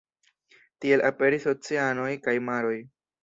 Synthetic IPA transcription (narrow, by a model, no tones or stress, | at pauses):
tie̞lape̞ɾiso̞t͡siano̞jkajmaɾo̞j